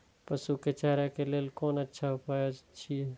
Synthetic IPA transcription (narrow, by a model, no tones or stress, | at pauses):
pəsuket͡ʃaɦɾakelelkoːnətːʃʰaupajod͡ʒt͡ʃʰiɛ